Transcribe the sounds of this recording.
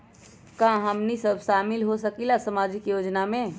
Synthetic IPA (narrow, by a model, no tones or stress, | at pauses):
kãɦəmnisəbʱʃaːmɪlɦosəkilasəmaːd͡ʒɪkjoːd͡ʒnamẽ